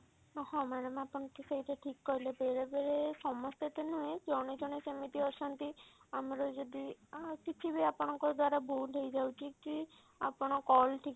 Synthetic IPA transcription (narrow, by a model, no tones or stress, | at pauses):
nhɔmaɾamãapɔɳ̃ɔkiseɦit̪eʈʰikːɔɾilebeɾebeɾesɔmɔst̪et̪enuekɔɽ̃ed͡ʒɔɽ̃esemit̪iɔsɔnt̪iamɾɔd͡ʒɔd̪ikit͡ʃʰibiapɔɽ̃ɔ̃ŋkɔɾd̪waɾabʱuejd͡ʒawt͡ʃʰiki | a̰pɔɽ̃ɔkɔlʈʰik